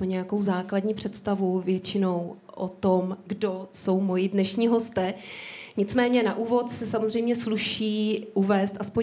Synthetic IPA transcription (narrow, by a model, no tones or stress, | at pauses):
oɲɛjako̞wzaːkladɲiːpr̝̥ɛt̪st̪avuvjɛt͡ʃɪno̞w | ʔot̪omɡdoso̞wmojɪdnɛʃɲiːɦo̞st̪ɛːɲɪt͡smɛːɲɛnaʔuːvo̞t̪sɛsamozr̝ɛjmɲɛsluʃiːʔuvɛːst̪ʔaspo